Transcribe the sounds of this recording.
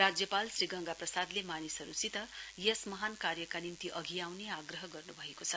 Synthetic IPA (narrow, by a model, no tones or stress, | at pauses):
rad͡zjʌpalsriɡʌŋɡaprʌsad̪lemanisʌɾusit̪ʌjesmʌɦankarjʌkanint̪iʔʌɡʱiawneaɡrʌɦʌɡʌrnubʱʌekot͡sʰʌ